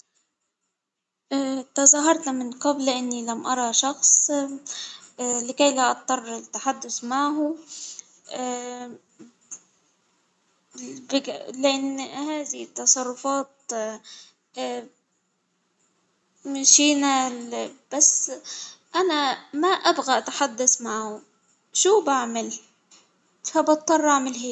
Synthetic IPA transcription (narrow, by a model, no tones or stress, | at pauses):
ʔt̪ɑzˤɑːɦɑɾˤt̪amɪnqɑblʔɪnːilamʔɑɾˤɑʃɑxsˤ | lɪkajlaʔɑt̪ˤːɑrˤːɪt̪ːaħad̪ːʊθmaʕɦʊ | bɪlɪʔɪnːhaːðɪt̪ːɑsˤɑrˤːʊfɑːt̪̚ | maʃiːna | b̥asːʔanamaʔabɣaʔat̪ħad̪ːasmaʕhʊ | ʃuːbaʕmɪl | fabɑtt̪ˤːɑrˤːaʕmɪlɦiː